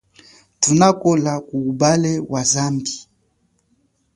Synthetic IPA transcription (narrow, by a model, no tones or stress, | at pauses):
tunakɔlakuːbalɛwʔazambi